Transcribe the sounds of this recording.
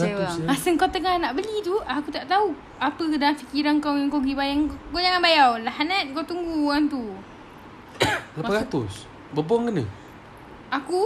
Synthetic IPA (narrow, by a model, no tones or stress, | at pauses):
asəŋkawt̪əŋahnaʔbəlit̪uakut̪aʔt̪au | apədaanfikiɾaŋkawaŋkoɡibajaŋkod͡ʒaŋanbajawlahanat̪̚kawt̪uŋɡuant̪u | ləpaɾat̪ʊs | bəbɔŋkənə | aku